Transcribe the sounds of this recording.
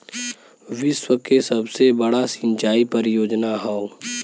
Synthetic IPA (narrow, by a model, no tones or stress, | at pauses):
ʋɪswəkesɐbsebɐɽasɪ̃ɲt͡ʃaːipɐɾjoːd͡ʒnaɦao